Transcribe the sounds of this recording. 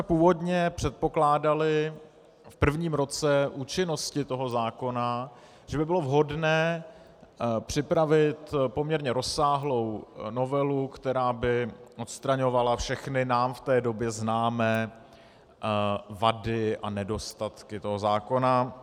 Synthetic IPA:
smɛpuːvo̞dɲɛpr̝̥ɛt̪̚po̞klaːdalɪ | fpr̩vɲiːmɾo̞t͡sɛʔuːt͡ʃɪno̞scɪt̪o̞ɦo̞zaːko̞na | ʒ̥ɛbɪbɪlo̞vɦo̞dnɛː | pr̥ɪpɾavɪt̪po̞mɲɛɾɲɛɾo̞sːaːɦlo̞wno̞vɛlukt̪ɛɾaːbɪʔo̞t̪st̪ɾaɲo̞valafʃɛxnɪnaːmft̪ɛːdo̞bjɛznaːmɛː | vadɪʔa̰nɛdo̞st̪at̪kɪt̪o̞ɦo̞zaːko̞na

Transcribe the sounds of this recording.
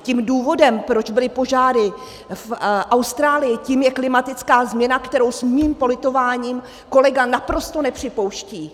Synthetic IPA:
ciːmduːvo̞dɛmpɾo̞d͡ʒbɪlɪpo̞ʒaːɾɪ | fʔawst̪ɾaːlɪjɪciːmjɛklɪmat̪ɪt͡skaːzmɲɛnakt̪ɛɾo̞wsmiːmpo̞lɪt̪o̞vaːɲiːm | ko̞lɛɡanapɾo̞st̪o̞nɛpr̝̥ɪpo̞wʃciː

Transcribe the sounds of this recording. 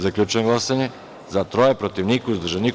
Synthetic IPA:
zaklʎʲut͡ʃɡlˠasaɲɛ | zat̪ɾojɛpɾot̪ivnikuzd̪r̩ʒanik

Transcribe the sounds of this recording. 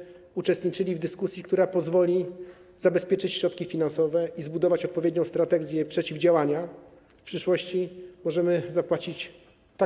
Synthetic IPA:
ut͡ʂɛst̪ɲit͡ʂɘlʲivd̪ɘskusʲjikt̪uɾapɔzvɔlʲi | zabɛspʲjɛt͡ʂɘt͡ɕɕɾɔt̪kʲifʲinansɔvɛʔizbud̪ɔvat͡ɕɔt̪̚pɔvʲjed̪̚ɲɔ̃w̃st̪ɾat̪ɛɡʲjɛpʂɛt͡ɕivd͡ʑawaɲa | fpʂɘʂwɔɕt͡ɕimɔʐɛmɘzapwat͡ɕit͡ɕ | t̪a

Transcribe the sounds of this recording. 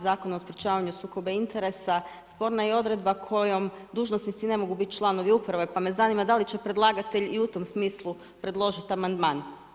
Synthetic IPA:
zaːko̞naospɾʲet͡ʃaːʋaɲusuːko̞beint̪e̞ɾe̞sa | spo̞ɾnaio̞d̪ɾe̞d̪bakʰo̞jo̞m | d̪uːʒno̞snit̪sine̞mo̞ɡubit̪t͡ʃlˠano̞ʋiupɾaʋe̞pame̞zanimad̪alit͡ʃe̞pɾe̞d̪lˠaːɡat̪e̞ʎiut̪o̞msmiːslˠu | pɾe̞d̪lˠo̞ʒit̪amand̪maːn

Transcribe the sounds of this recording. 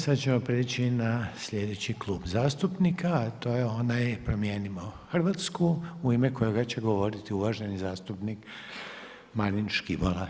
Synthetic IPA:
sad̪t͡ɕe̞mo̞pɾiːt͡ɕinasʎʲe̞d̪e̞t͡ɕiklˠuːbzaːst̪upnikʰat̪o̞ːjeo̞najpɾomjeːnimoxrʋat̪skuuimeko̞joɡat͡ɕeɡo̞ʋo̞ɾit̪iuʋaʒenizaːst̪upnik | maɾinʃkibola

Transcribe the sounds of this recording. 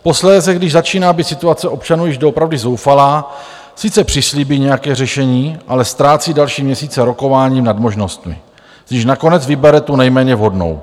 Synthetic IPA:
po̞slɛːsɛɡdɪʒzat͡ʃiːnaːbɪt̪sɪt̪uat͡sɛʔo̞pt͡ʃanuːjɪʒdoopɾavdɪzo̞wfalaː | sɪt͡sɛpr̥ɪsliːbiɲɛjakɛːrɛʃɛɲiːʔalɛst̪ɾaːt͡siːdalʃiːmɲɛsiːt͡sɛɾo̞ko̞vaːɲiːmnadmo̞ʒno̞st̪mɪ̰ | z̥ɲiʃnako̞nɛd͡zvɪbɛɾɛt̪unɛjmɛːɲɛvɦo̞dno̞̰w

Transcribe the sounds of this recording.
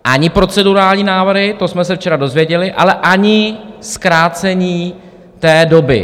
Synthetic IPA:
ʔaɲɪpɾo̞t͡sɛduɾaːlɲiːnaːvr̩ɦɪt̪o̞smɛsɛft͡ʃɛɾado̞zvjɛɟɛlɪʔa̰lɛʔaɲɪskɾaːt͡sɛɲiː | t̪ɛːdo̞bɪ̰

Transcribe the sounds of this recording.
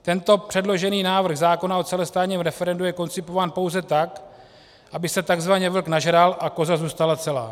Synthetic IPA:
t̪ɛnt̪o̞pr̝̥ɛdlo̞ʒɛniːnaːvr̩ɣzaːko̞nao̞t͡sɛlɛst̪aːt̪ɲiːmɾɛfɛɾɛndujɛko̞nt͡sɪpo̞vaːnpowzɛt̪ak | ʔabɪsɛt̪aɡzvaɲɛvl̩knaʒɾalʔako̞zazuːst̪alat͡sɛlaː

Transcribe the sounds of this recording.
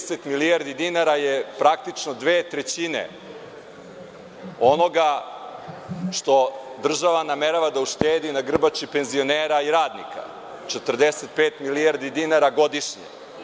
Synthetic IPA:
set̪milijaɾd̪id̪inaɾajepɾak̚t̪it͡ʃnod̪ʋeːt̪ɾet͡ɕinḛ | o̞no̞ɡa | ʃt̪o̞d̪r̩ʒaʋanameɾaʋad̪auʃt̪eːd̪inaɡr̩bat͡ʃipe̞nzio̞neːɾaiɾaːd̪nḭkʰa̰ | t͡ʃet̪r̩d̪eset̪̚peːt̪miliaɾd̪id̪inaɾaɡo̞d̪iʃɲḛ

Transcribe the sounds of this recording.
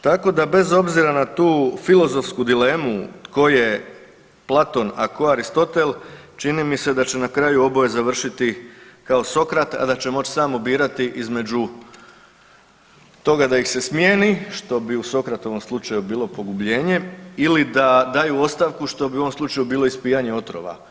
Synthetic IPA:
t̪ako̞d̪abe̞zo̞bziɾanat̪uːfilˠo̞zo̞fskud̪ile̞muko̞je | plˠat̪o̞nakoaɾist̪o̞t̪e̞lˠt͡ʃinimise̞d̪at͡ɕe̞nakɾajuo̞bo̞jezaʋr̩ʃit̪ikao̞so̞kɾat̪a̰d̪at͡ɕe̞mo̞t͡ʃsaːmobiːɾat̪iʔizme̞d͡ʑu | t̪o̞ɡad̪aixse̞smjeːniʃt̪o̞biuso̞kɾat̪o̞ʋo̞mslˠut͡ʃajubiːlˠo̞po̞ɡubʎe̞ːɲe̞ilid̪ad̪aːjuo̞st̪aʋkuʃt̪o̞bio̞ʋo̞mslˠut͡ʃajubiːloispiːjaɲe̞o̞t̪ɾo̞̰ʋa̰

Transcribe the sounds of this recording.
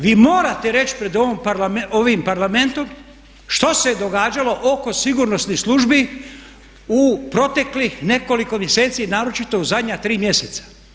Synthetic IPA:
ʋiːmoːɾat̪e̞ɾe̞t͡ʃpɾe̞d̪oompɾlaoʋimpaɾlame̞nt̪o̞m | ʃt̪o̞se̞d̪o̞ɡaːd͡ʒalo̞ʔoko̞siɡuɾno̞snisluʒbi | upɾo̞t̪e̞klixne̞ko̞liko̞mjese̞ːt̪sinaːɾo̞t͡ʃit̪o̞uzad̪ɲat̪ɾiːmje̞set̪sḁ

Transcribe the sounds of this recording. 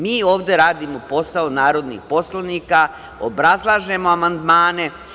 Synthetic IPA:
miːo̞ːʋd̪e̞ɾaːd̪imo̞po̞saonaːɾo̞d̪nḭxpo̞slˠanika | o̰bɾazlˠaːʒe̞mo̞amand̪maːne̞

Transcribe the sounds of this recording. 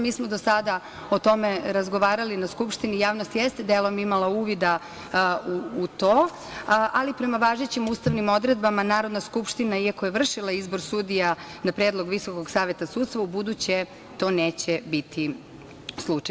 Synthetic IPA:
miːsmod̪osad̪a | o̞t̪o̞meɾazɡo̞ʋaːɾalinaskupʃt̪inijaːʋnost̪jɛst̪ed̪elo̞mimalauːʋid̪a | uːt̪oː | ʔalipɾe̞maʋaːʒet͡ɕimuːst̪aʋnimo̞d̪ɾe̞d̪bamanaːɾo̞d̪naskupʃt̪inaiakojeʋr̩ʃilaizbo̞ɾsud̪ijanapɾeːd̪lˠo̞ɡʋisokoɡsaːʋjet̪asuːt̪t̪ʋaubud̪ut͡ɕe | t̪o̞ːneːt͡ɕebit̪ʰi | slˠut͡ʃaj

